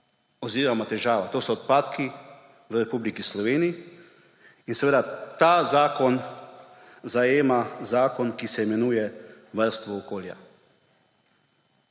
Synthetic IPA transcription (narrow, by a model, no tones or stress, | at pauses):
ɔziːɾamɔt̪ɛʒaːʋat̪oːsɔːt̪̚paːt̪ki | ʋəɾɛpublikislɔʋeːniiː | nsɛʋeːd̪at̪aːzaːkɔn | zajeːmazaːkɔnkisɛimɛnujɛʋəɾst̪ʋɔːkoːlja̰